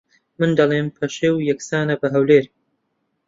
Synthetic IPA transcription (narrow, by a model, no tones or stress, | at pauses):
mɨnd̪ɐlˠeːmpʰɐʃeːwjɐksaːnɐbɐɦɐwleːɾ